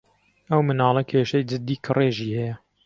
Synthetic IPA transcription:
ɐwmɨnɑːlˠɐkʰeːʃɐjd͡ʒɨd̪ːiːkʰɨreːʒiːhɛjɛ

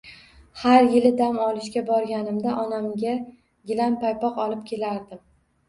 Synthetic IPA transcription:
haɾjɪlɪd̪amɒlˠɪʃɡʲabɒɾɡʲanɪmd̪aʔɒnamɡʲa | ɡʲɪlampajpɒqɒlˠɪp̚kʲʰe̞laɾd̪ɪm

